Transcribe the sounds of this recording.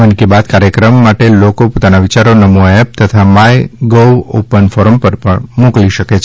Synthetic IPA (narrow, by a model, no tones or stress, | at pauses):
ənkebat̪kaɾjəkɾəmːaʈelokopot̪anaʋit͡ʃaɾonəmuaep̚t̪ət̪ʰamajɡoʋo̰pənfɔɾəmpəɾpəɳmũkliʃəket͡ʃʰ